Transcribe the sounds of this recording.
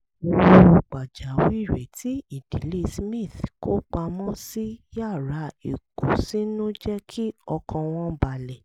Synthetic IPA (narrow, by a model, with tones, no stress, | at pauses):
o˧wo˧ɡ͡ba˨d͡ʒa˨˦wi˦˨ɾɛ˨tʰi˨˦i˦˨d̥i˨˦le˦˨smĩ˦˨θko˦k͡pa˧mɔ̃˦si˦ja˦˨ɾa˨˦i˨ko˨si˦nũ˦d͡ʒɛ˦kʰi˦ɔ˧kʰã˧w̃ɔ̃˦ba˨lɛ˨